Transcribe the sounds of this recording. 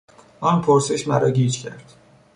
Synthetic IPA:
ɒːnpʰoɾseʃmæɾɒːɟiːt͡ʃcʰæɾd̪̥

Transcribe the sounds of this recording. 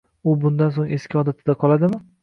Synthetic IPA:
ʊbʊnd̪ans̬oŋe̞skʲɒd̪at̪ʰɪd̪aqʰɒlˠad̪ɪmɪ

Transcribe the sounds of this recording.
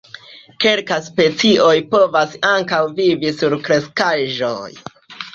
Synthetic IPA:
ke̞lkaspe̞t͡siʔo̞jpo̞vasaŋkawvivisuɾkɾe̞skaʒo̞j

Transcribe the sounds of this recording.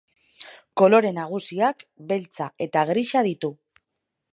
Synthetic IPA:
ko̞lo̞ɾe̞naɣ̞usiakbe̞lt͡sae̞t̪aɣɾiʃað̞it̪u

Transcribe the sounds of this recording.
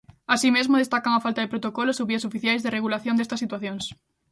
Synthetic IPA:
asimezmʊðest̪akaŋafalt̪aðepɾot̪okolosoβiɐsofiθjajzðɪreɣ̞ulaθjõnd̪est̪ɐsːit̪waθjoŋs

